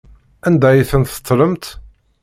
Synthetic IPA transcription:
ænd̪æjiθənt̪ːə̥t̪ˤːləmt̪

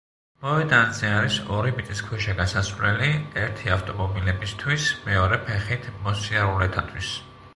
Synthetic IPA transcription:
mɔvɛd̪and̪zɛaɾisɔɾimit̪ʼiskʰwɛʃaɡasasvlɛliɛɾt̪ʰiaft̪ʼɔmɔbilɛbist̪ʰwismɛɔɾɛpʰɛχit̪ʰmɔsiaɾulɛt̪ʰat̪ʰwis

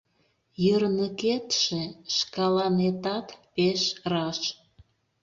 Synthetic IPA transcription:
jərnəket̪ʃeʃkɑlɑnet̪ɑt̪peʃrɑʃ

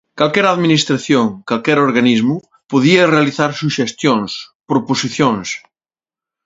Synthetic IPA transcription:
kalkɛɾaðminist̪ɾaθjoŋkalkɛɾoɾɣanizmʊ | poðiɐrealiθaɾsuʃest̪joŋspɾoposiθjõŋs

